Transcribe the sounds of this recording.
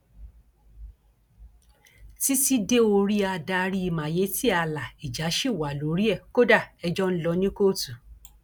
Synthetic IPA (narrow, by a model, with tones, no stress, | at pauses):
ti˦ti˦de˦o˧ɾi˦a˧da˧ɾi˦i˧mã˨je˨˦ti˦a˧la˨i˨d͡ʒa˨˦ʃi˦˨wa˨lo˨˦ɾi˦ɛ˦˨ko˦da˦˨ɛ˧d͡ʒɔ˦n̩˦lɔ˧nĩ˦ko˦˨tu˨